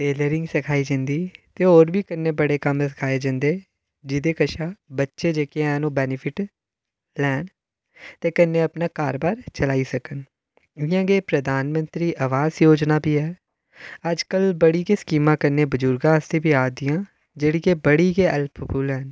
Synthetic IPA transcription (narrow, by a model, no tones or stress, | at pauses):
ʈeːləɾɪ̃ŋɡsəkʰaːiːd͡ʒɪ̃nd̪iːt̪eːoːɾbʱiːkənːeːbəɽeːkəmsɪ̥kʰaːeːd͡ʒãːnd̪eː | d͡ʒɪd̪eːkəʃaːbətːʃeːd͡ʒeːkeɛːnoːbɛːnɪpʰɪʈ | lɛːn | t̪eːkənːeːəpnaːkaːɾbaːɾt͡ʃəlaːiːsəkən | ɪjãːɡeːpɾəd̪aːnmə̃nt̪ɾiːʔəʋaːzjoːd͡ʒnaːbiːɦɛː | əd͡ʒkəlbəɽiːkeːskiːmãːkənːeːbəzʊɾɡãːəst̪eːbiːaːd̪ɪjãː | d͡ʒeːɽiːkeːbəɽiːɡeːʔəlpʰpʰuːlɦɛːn